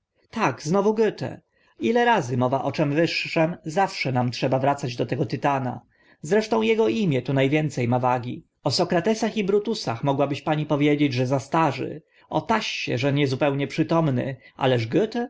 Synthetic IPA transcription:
t̪aɡznɔvuɡɘt̪ɛ̰ | ilɛɾazɘmɔvaʔɔt͡ʂɛmvɘʂːɛmzafʂɛnamtʂɛbavɾat̪sad͡ʑd̪ɔt̪ɛɡɔt̪ɘt̪ana̰ | zɾɛʂt̪ɔ̃w̃jɛɡɔimʲjɛt̪unajvʲjɛnt̪sɛjmavaɡʲi | ɔsɔkɾat̪ɛsaxibɾut̪usa̰xmɔɡwabɘɕpaɲipɔvʲjed͡ʑed͡ʑʐɛzast̪aʐɘ̰ | ɔt̪aɕːɛ̰ʐɛɲɛzupɛwɲɛpʂɘt̪ɔmnɘ̰ʔa̰lɛʐɡɘt̪ɛ

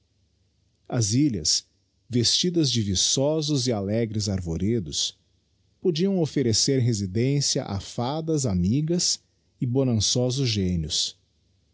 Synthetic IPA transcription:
ɐziʎɐ̰s | vest͡ʃid̪ɐzd͡ʒɪvisɔzʊzɪalɛɡɾɪzaɾvoɾed̪ʊs | pod͡ʒiɐ̃w̃ofeɾeseɾɦezid̪ẽsiɐ̰ʔa̰fad̪ɐzamiɡɐs | ɪbonɐ̃sɔzʊzʒẽnjʊs

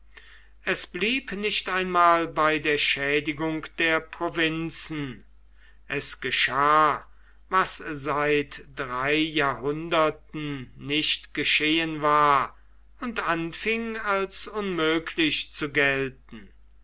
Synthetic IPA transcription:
ʔɛsb̥liːpnɪʃtaɪnmaːlbaɪdeːɐʃɛːdɪɡʊŋkd̥eːɐpʁ̥ovɪnt͡sn̩ | ʔɛsɡ̥əʃaː | vaszaɪtd̥ʁaɪjaːɐhʊndɐtn̩nɪʃtɡ̥əʃeːənvaːɐ | ʊntanfɪŋalsʊnmøːkʰlɪɕt͡suɡɛlt̚n̩

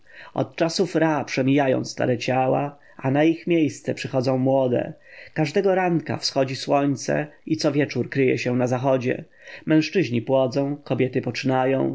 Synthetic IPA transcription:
ɔ̰t̪̚t͡ʂasufɾapʂɛmʲijajɔ̰̃w̃st̪a̰ɾɛt͡ɕawa̰ | anaixmʲjejst̪sɛpʂɘxɔd̪zɔ̃w̃mwɔd̪ɛ̰kaʐd̪ɛɡɔɾaŋka̰fsxɔd͡ʑiswɔɲt̪sɛ̰it̪sɔvʲjɛt͡ʂuɾkɾɘjɛ̰ɕɛnazaxɔd͡ʑɛ̰ | mɛ̃w̃ʂt͡ʂɘʑɲipwɔd̪zɔ̃w̃kɔbʲjɛt̪ɘpɔt͡ʂɘnajɔ̃w̃

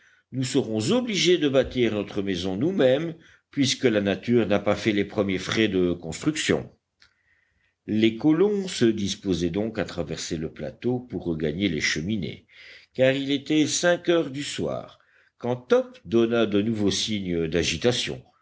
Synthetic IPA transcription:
nusəʁɔ̃zɔbliʒed̪əbat̪iʁnɔt̪χəmɛzɔ̃numɛm | pɥiskəlanat̪yːʁnapafɛlepχəmjefχɛd̪əkɔ̃st̪χyksjɔ̰̃ | lekɔlɔ̃səd̪ispozɛd̪ɔ̃kat̪χavɛʁseləpla̰t̪opuʁːəɡaɲeleʃəminḛ | kaʁilet̪ɛsɛ̃kœʁd̪yswa̰ːʁ | kɑ̃t̪ɔpd̪ɔnad̪ənuvosiɲəd̪aʒit̪asjɔ̰̃

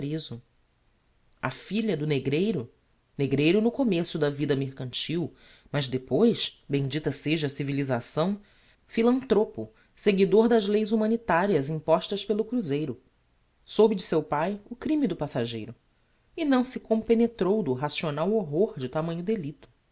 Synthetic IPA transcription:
pɾezʊ | ɐ̰fiʎɐd̪ʊneɡɾejɾʊ | neɡɾejɾʊnʊkomesʊd̪ɐvid̪ɐmeɾkɐ̃nt͡ʃiw | mɐʒd̪epojʃbẽj̃d͡ʒit̪ɐseʒɐsivilizasɐ̃w̃ | filɐ̃nt̪ɾopʊ | seɡid̪oɾd̪ɐzlejzumɐ̃nit̪aɾiɐzĩpɔʃt̪ɐʃpelˠʊkɾuzejɾʊ | sobɪd͡ʒɪsewpajʊkɾĩmid̪ʊpasaʒejɾʊ | ɪnɐ̃w̃sɪkõpenet̪ɾowd̪ʊɦasionawoɦoɾd͡ʒɪt̪amɐ̃ɲʊd̪elit̪ʊ̥

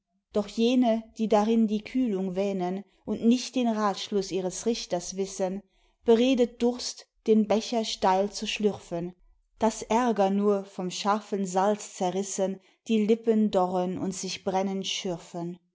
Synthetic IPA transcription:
d̥ɔχjeːnəd̥iːdaʁɪndiːkʰyːlʊŋvɛːnən | ʔʊntnɪçt̚d̥eːnʁaːtʃlʊsʔiːʁ̞əsʁɪçtɐsv̥ɪsən | b̥əʁeːdət̚d̥ʊɐstd̥eːnbɛçɐʃtaɪlt͡suʃlʏʁfən | d̥asʔɛɐɡɐnuːɐfɔmʃaɐfənzalt͡st͡sɛɐʁɪsən | d̥iːlɪpəndɔʁənʊ̰ntz̥ɪçb̥ʁɛnənʃʏʁfən

